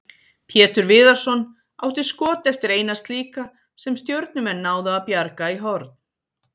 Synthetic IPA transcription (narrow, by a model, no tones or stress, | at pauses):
pʰjɛːt̪ʏɾvɪːðaɾ̥sɔn | aːwt̪ɪ̥skɔːt̪ɛft̪ɪɾeːjnast̪liːka | sɛmst̪jœwɾt̪̚nʏmɛnːaːwðʏapjaɾkaiɦɔɾt̪n